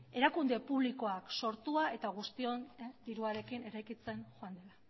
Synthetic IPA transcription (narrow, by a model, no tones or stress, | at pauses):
e̞ɾakund̪e̞puβliko̞akso̞ɾt̪uae̞t̪aɣ̞ust̪io̞nd̪iɾuaɾe̞kine̞ɾajkit͡se̞nʝoand̪e̞la